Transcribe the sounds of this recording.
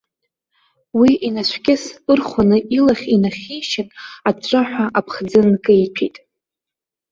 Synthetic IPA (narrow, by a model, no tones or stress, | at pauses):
wiinaʃʷʰɡʲɪsɨrχʷanɨʔilaχʲinaχʲiʃɪnat͡ɕʷʼaħᶣʷaʔapʰχd͡zɨnkʼɨjpʰitʼ